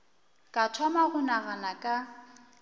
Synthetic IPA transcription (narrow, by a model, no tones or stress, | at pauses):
kʼatʰwamaɣʊnaɣanakʼa